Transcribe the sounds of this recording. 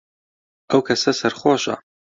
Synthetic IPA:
ʔɐwkʰɐsɐsɐɾχwɑːʃɐ̰

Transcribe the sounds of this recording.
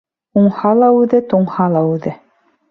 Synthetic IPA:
uɴhɑlˠɑʉðɘt̪uɴhɑlˠɑʉðɘ

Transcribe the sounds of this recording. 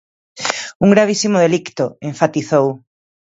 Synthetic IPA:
uŋɡɾaβ̞isimoðe̞likt̪oeɱfat̪iθow

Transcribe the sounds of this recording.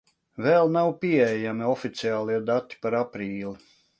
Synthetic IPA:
vɛlˠnawpiɛɛjamiɔfit̪siaːlˠiɛd̪at̪ːi̥paɾapɾiːlˠi

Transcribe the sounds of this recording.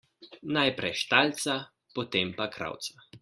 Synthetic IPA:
najpɾɛjʃt̪alt̪sa | pɔt̪eːmpakɾa̰wt̪sa

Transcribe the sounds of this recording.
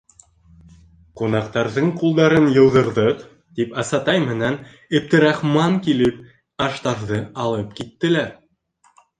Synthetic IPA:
qunɑqt̪ɑɾðɤɴqulˠd̪ɑɾɤnjɤ̆wðɤ̆ɾðɤq | t̪ipɑsɑt̪ɑjmɘ̆næn | ɘ̆b̚t̪ɘ̆ɾɑχmɑŋkilɘp̚ | ɑʃt̪ɑɾðɤɑlˠɤp̚kit̪ːɘ̆læɾ

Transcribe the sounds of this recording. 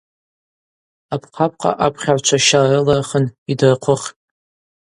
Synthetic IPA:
apʰqʰap̚ʰʼqʼa̰ʔapʰχʲaʕʷt͡ʃʷʰaʃarɨlarχənidɨrqʷʰʊχʲtʼ

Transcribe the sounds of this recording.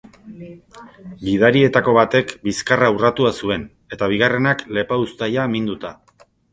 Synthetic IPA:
biðaɾie̞t̪ako̞βat̪e̞kbiskaraurat̪uasue̞n | e̞t̪aβ̞iɣ̞are̞nakle̞paust̪ajamind̪ut̪a

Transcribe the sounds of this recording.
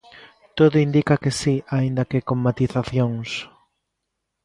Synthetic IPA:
t̪oðʊind̪ikakesiaind̪ɐkekoŋmat̪iθaθjoŋs

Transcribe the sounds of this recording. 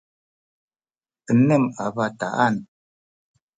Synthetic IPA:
ənɛmabata̰ʔan

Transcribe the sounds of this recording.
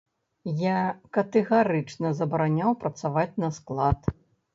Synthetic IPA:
jakɐt̪ɛɣaɾɨt͡ʂnɐzɐbɐɾanʲawpɾɐt̪savat͡sʲnɐsklˠat̪

